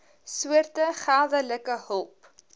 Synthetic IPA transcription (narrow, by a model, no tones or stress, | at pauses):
suərtəχaːðələkəɦəlˠp